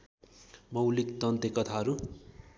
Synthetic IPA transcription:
mʌwlikt̪ʌnt̪ekʌt̪ʰaɦʌɾu

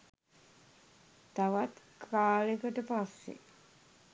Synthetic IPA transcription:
d̪̥aʋat̪kʰaːlekəʈəpasːḛ

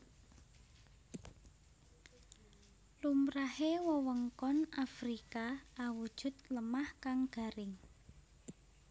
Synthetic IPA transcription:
lumɾahewɔwəŋkɔnafɾikaawud̥ʒ̥ʊ̤t̪̚ləmahkaŋɡ̥a̤ɾɪŋ

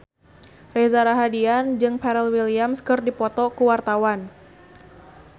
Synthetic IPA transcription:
rezaɾaɦadiand͡ʒɨŋpɛɾɛlwiliamskɨrdipɔt̪ɔkuwart̪awan

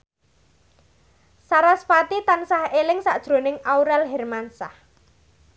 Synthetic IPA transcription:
saɾaspat̪it̪ansahelɪŋsa̰ʔd̥ʒ̥ɾo̤nɪŋauɾɛlɦɛrmansah

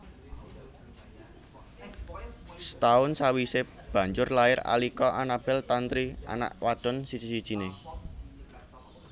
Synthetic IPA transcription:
st̪aʊnsawise | b̥ä̤ɲd͡ʒʊrlaɪɾa̰likɔʔanab̥ɛ̤lt̪ant̪ɾia̰na̰ʔwad̪̥ɔ̤nsi̥d͡ʒ̥isid̥ʒ̥i̤ne

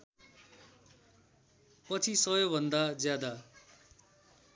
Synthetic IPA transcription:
pʌt͡sʰisʌjobʱʌnd̪ad͡zjad̪a

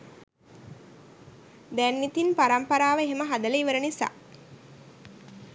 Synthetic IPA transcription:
d̪ænːit̪inpaɾampɐɾaːʋəeɦeməɦad̪əleiʋəɾənisa̰ː

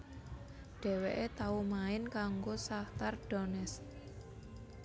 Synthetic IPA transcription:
ɖ̥ɛ̤weʔet̪aumaɪnkaŋɡosaht̪arɖ̥ɔnɛs

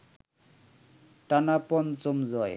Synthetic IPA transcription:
ʈanapɔnt͡somzɔj

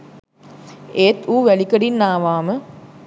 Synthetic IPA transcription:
eːt̪uːʋælikəɽinːaːʋaːmə

